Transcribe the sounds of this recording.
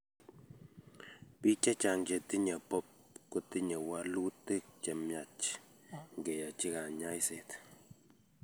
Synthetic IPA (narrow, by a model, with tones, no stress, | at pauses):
pi˦t͡ʃa˦t͡ʃa˨ŋd͡ʒe˨ti˦ɲa˨pɔ˦p̚ | ko˨ti˦ɲa˨wa˦lu˦tɪ˦t͡ʃɛ˨mja˨t͡ʃ | ŋɡɛ˨ja˨t͡ʃi˦ka˨ɲa˦jse˨t